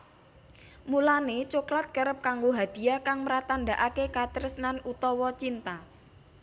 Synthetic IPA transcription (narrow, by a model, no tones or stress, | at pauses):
mulanet͡ʃuklat̪̚kəɾəp̚kaŋɡoɦad̪̥i̤akaŋməɾat̪and̪aʔakekat̪ɾəsnanut̪ɔwɔt͡ʃint̪a